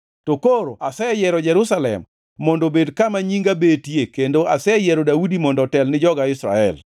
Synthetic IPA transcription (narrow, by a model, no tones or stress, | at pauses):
tokoɾo̰ʔasɛjɛɾɔd͡ʒɛɾʊsalɛ̰mː | ɔndobedkamaɲiŋɡabetjekendoʔasɛjɛɾɔdaudimɔndɔtɛlnɪd͡ʒɔɡaɪsɾa̰ɛ̰l